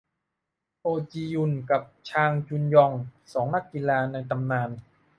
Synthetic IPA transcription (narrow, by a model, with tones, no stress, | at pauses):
ʔoː˧t͡ɕiː˧ju˧˩nka˨˩p̚t͡ɕʰaː˧ŋt͡ɕu˧njɔ˧ŋsɔː˩˦ŋna˦˥kːi˧laː˧na˧jt̪a˧mnaː˧n